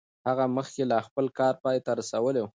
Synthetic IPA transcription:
haɣaməxkelɑxpəlkɑɾpɑjet̪aɾasawəlew

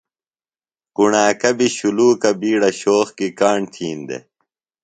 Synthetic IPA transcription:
kuɳaːkɐbiɕuluːkɐbiːɽɐɕoːxkikaːɳt̪ʰiːnd̪ḛ

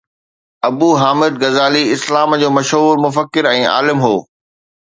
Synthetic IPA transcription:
ɐbuːɦaːmɪd̪̚ɡɐzaːliɪslaːmd͡ʑoːmɐʃɦuːɾmʊfəkːɪɾɛ̃ːa̰ːlɪmɦoː

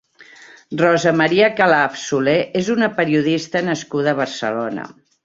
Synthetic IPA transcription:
rɔzəməɾiəkəlaːpsuleezunəpəɾiuðist̪ənəskuðəːβ̞ərsə̰lonə̰

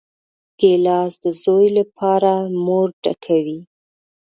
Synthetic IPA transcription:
ɡ̥elɑsd̪əzojlapʰɑɾamoɾɖa̰kʰawi

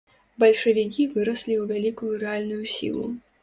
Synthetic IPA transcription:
bɐlʲʂɐvʲik̬ʲivɨɾɐsʲlʲiuvʲalʲikujuɾɛalʲnʊjusʲḭlˠṵ

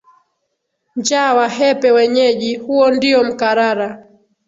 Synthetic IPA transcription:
ɲd͡ʒawaɦɛpɛwɛɲɛʄihuɔndiɔm̩kaɾaɾa

